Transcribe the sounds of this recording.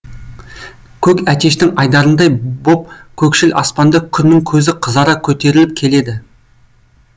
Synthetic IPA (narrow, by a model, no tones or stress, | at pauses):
kʲʰɵkʲæt̪e̞ʃt̪ɪŋɑjd̪ɑɾənd̪ɑjbo̞p̚kʲʰɵkʃɪlɑ̰spɑnd̪əkʲʰʏnːɪŋkʲʰɵzɪqʰəzɑɾɑkʲʰɵt̪e̞ɾɪlɪp̚kʲʰe̞le̞d̪ɪ